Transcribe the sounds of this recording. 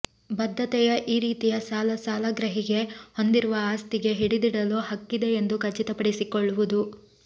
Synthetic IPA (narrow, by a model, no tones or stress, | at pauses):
bɐd̪ʱːɐt̪ɛjɐʔiːɾiːt̪ijɐsaːlɐsaːlɐɡɾɐɦiɡe̞ho̞nd̪iɾuʋɐaːst̪iɡe̞ɦiɽid̪iɽɐlohɐkːid̪e̞ːnd̪ukɐt͡ʃːit̪ɐpɐɽisikoɭːuʋud̪u